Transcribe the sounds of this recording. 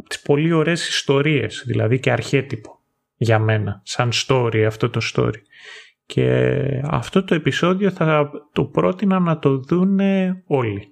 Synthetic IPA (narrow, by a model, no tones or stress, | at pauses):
t̪i̥spo̞lio̞ɾe̞si̥st̪o̞ɾie̞̰z̥ðilɐ̰ðiceɐɾçe̞t̪ipo̞̥ | ʝɐme̞nɐsɐnst̪o̞ɾiɐft̪o̞t̪o̞st̪o̞̰ɾi | cʰe̞̰ɐ̰ft̪o̞t̪o̞e̞piso̞ðio̞θɐt̪o̞pɾo̞t̪inɐnɐt̪o̞ðuneo̞li